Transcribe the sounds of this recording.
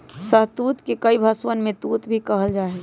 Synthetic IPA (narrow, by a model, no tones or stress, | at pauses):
səɦt̪ut̪kekəibʱəswənmẽt̪uːt̪bʱikəɦəld͡ʒaːɛ